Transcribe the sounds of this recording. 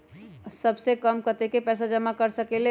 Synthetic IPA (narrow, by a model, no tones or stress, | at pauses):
səbsekəmkət̪ekepɛːsad͡ʒəmakəɾsəkele